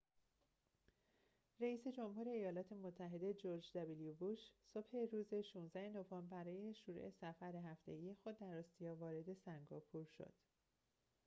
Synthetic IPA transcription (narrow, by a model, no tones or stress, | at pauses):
ræiːse̞d͡ʒo̞mhuːɾe̞ːjɒːlɒːt̪ʰe̞mot̪ʰːæɦe̞d̪e̞d͡ʒo̞ɾd͡ʒd̪æbilijubuʃso̞bhe̞ɾuːze̞ʃuːnzæheno̞vɒmbæɾɒːje̞ʃuɾṵʔesæfæɾeɦæft̪e̞ɡijexo̞d̪̚ːæɾɒst̪ijɒːvɒːɾe̞d̪e̞sæŋɡɒːpʰuɾʃo̰d̪̥